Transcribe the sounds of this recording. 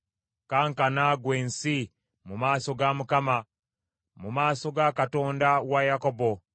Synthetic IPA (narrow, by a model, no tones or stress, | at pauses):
kaːŋkanaɡweːnsi | mumaːso̞ɡamukama | mumaːso̞ɡakato̞ːndawajakobo